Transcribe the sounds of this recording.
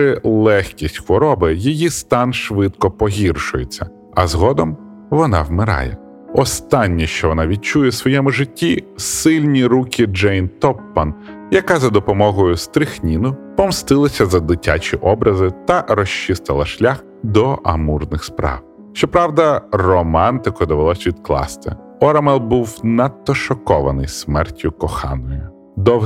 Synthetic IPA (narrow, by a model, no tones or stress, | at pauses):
ɪlˠɛxkʲisʲtʲxʋɔɾɔbɪjijist̪ɑnʃʋɪt̪kɔpɔɦʲirʃʊjet͡sʲːɐ | ɐzɦɔd̪ɔm | ʋɔnɑ̰wmɪɾɑ̰jɛ̰ | ɔst̪ɑnʲːiʃt͡ʃɔʋɔnɑʋʲid̚t͡ʃujɛsʋɔjɛmʊʒɪtʲːisɪlʲnʲiɾukʲid͡ʒɛjnt̪ɔpːɐn | jɐkɑzɐd̪ɔpɔmɔɦɔjʊst̪ɾɪxnʲinʊpɔmst̪ɪlˠɐsʲɐzɐd̪ɪtʲa̰t͡ʃʲiʔɔbɾʔɐzɪt̪ɐɾɔʃt͡ʃːɪst̪ɐlˠɐʃlʲax | d̪ɔʔɐmurnɪxspɾɑ̰w | ʃt͡ʃɔpɾɑwd̪ɐrɔmɑnt̪ɪkɔd̪ɔʋelˠɔsʲʋʲid̪klˠɑ̰st̪ɪ̰ | ɔɾɐmɛlˠbuwnɐt̪ːɔʃɔkɔʋɐ̰nɪjsmɛrtʲːʊkɔxɑ̰nɔjʊ | d̪ɔw